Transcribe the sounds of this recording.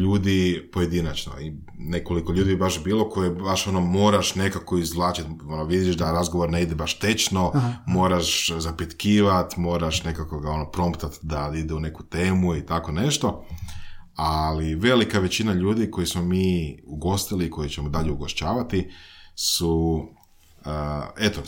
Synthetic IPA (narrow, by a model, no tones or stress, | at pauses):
ʎuːd̪ipo̞je̞d̪inat͡ʃno̰i | ne̞ko̞likoʎuːd̪ibibaʃbiːlo̞ko̞jebaʃo̞nomo̞ːɾaʃne̞kako̞izʋlˠaːt͡ʃit̪onoʋid̪jiʃd̪aɾazɡo̞ʋoɾneid̪ebaʃt̪e̞t͡ʃno̞mo̞ːɾaʃzapit̪kiːʋat̪mo̞ːɾaʃne̞kakoɡao̞nopɾo̞mpt̪at̪d̪aid̪eune̞kut̪e̞ːmuit̪ako̞ne̞ʃt̪o̞ | aliʋe̞likaʋe̞t͡ɕinaʎuːd̪iko̞jismo̞miːuɡo̞st̪iliːko̞jit͡ɕemod̪aʎeuɡoʃt͡ʃaːʋat̪isu | e̞t̪o